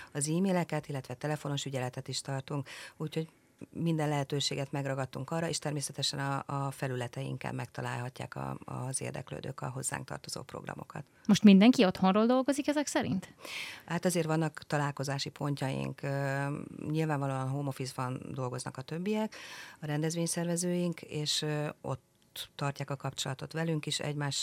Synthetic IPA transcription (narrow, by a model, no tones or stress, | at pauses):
ɒziːmeːlɛkɛt̪ilːɛt̪ʋɛt̪ɛlɛfo̞no̞ʃyɟɛlɛt̪ɛt̪iʃt̪ɒrt̪uŋkuːcho̞ɟ | mind̪ɛnlɛɦɛt̪øːʃeːɡɛt̪mɛɡrɒɡɒt̪ːuŋkɒrːɒeːʃt̪ɛrmeːsɛt̪ɛʃɛnɒfɛlylɛt̪ɛḭŋka̰bmɛkt̪ɒla̰ːlɦɒcːa̰ːkɒ̰zḛːrd̪ɛ̰klø̰ːd̪ø̰ːkɒɦo̞zːa̰ːŋk̚t̪ɒ̰rt̪o̞z̥o̰ːpro̰ɡrɒ̰mo̞̰kɒ̰t̪mo̞ʃt̪mind̪ɛŋkio̞t̪ho̞nroːld̪o̞lɡo̞zikɛzɛksɛɾḭnt̪haːt̪ɒzeːrtʋɒnːɒkt̪ɒlaːlko̞zaːʃipʰo̞ɲcɒjḭŋkː | ɲilvaːɱvɒloːɒnɦoːmo̞fisbɒnd̪o̞lɡo̞znɒ̰kɒt̪ø̞bːijɛkɒɾɛnd̪ɛzʋeːɲsɛrvɛzøːjiŋkeːʃo̞̰t̪ː | ɒrcaːkɒkɒpt͡ʃo̞lɒt̪o̞t̪ʋɛlyŋkiʃɛ̰ɟmaːʃ